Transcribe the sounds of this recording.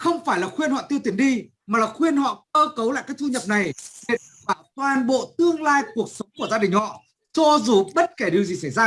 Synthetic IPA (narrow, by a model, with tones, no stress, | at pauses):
xə˧wŋ͡mfaː˧˩jlaː˨˩xwi˧ənhwɔ̰˧˨t̪i˧əwt̪i˧˩ənɗi˧ | maː˨˩laː˨˩xwi˧ənhɔ̰˧˨kəː˧kə˨˦wla̰ː˧˨kaː˦˥kt̪u˧ɲə˨˩p̚na˨˩jvḭ˧˨n | ɓaː˧˩t̪waː˨˩nɓo̰˧˨t̪ɨ˧əŋlaː˧jku˨˩ək̚sə˨˦wŋ͡mku˧˩əzaː˧ɗï˨˩ŋ̟hɔ̰˧˨ | t͡ɕɔ˧zu˨˩ɓə˦˥t̚ke˧˩ɗi˨˩əwzi˨˩sa˧˩jzaː˧